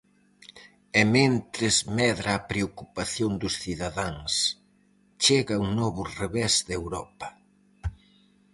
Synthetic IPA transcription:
ement̪ɾɪzmɛðɾaːpɾeokupaθjond̪ʊsθiðaðaŋs | t͡ʃeɣɐuŋnɔβʊreβɛzd̪ewɾɔpɐ̥

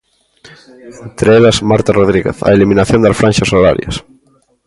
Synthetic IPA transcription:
ent̪ɾeeʎasmaɾt̪aroðɾiɣḛθa̰elimĩnaθjond̪afɾanʲʃasola̰ɾja̰s

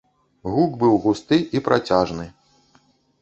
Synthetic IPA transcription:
ɣuɡbɨwɣust̪ɨʔipɾʔat͡sʲaʐnɨ

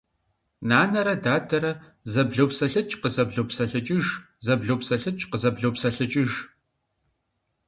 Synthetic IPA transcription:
naːnɐɾɐdaːtʰɐɾɐ | zɐbɮowpsɐɬɨt͡ʃʼqəzɐbɮowpsɐɬɨt͡ʃʼɪʒ | zɐbɮoːpsɐɬɨt͡ʃʼqəzɐbɮoːpsɐɬɨt͡ʃʼɪʒ

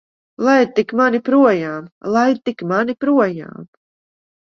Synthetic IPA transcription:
lˠaj̪t̪ikmanipɾuɔjaːmlˠaj̪t̪ikmanipɾuɔja̰ːm

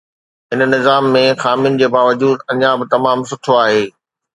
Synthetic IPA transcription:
ɦɪnnɪzaːmːẽxaːmijʊnɪ̆d͡ʑeːbaːʋɐd͡ʑuːd̪ɐɲjaːbɪt̪ɐmaːmsʊʈʰoaːɦeː

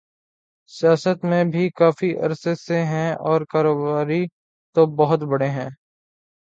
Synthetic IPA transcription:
sɪjaːsət̪mẽbʱikaːfiʔɐ̰ɾseseɦɛ̃ɔːɾkaːɾoːbaːɾi | t̪obɐɦʊt̪bɐɽeɦɛ̃ː

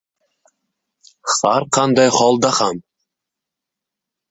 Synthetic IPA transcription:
haɾqʰɑnd̪ɑjχɒlˠd̪aham

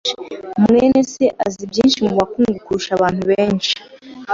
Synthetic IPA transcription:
mŋeːne̞se̞ʔazibjiːnʃimuβakuːŋɡukuɾuʃaβaːnhuβeːnʃi̥

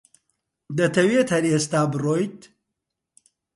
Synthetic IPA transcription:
d̪ɐt̪ʰɐweːt̪hɐɾeːst̪aːbɨroːjt̪

